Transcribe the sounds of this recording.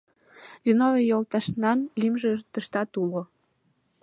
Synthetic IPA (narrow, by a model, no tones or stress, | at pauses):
zinovʲejolt̪ɑʃnɑnlimʒĕt̪ə̆ʃt̪ɑt̪ulo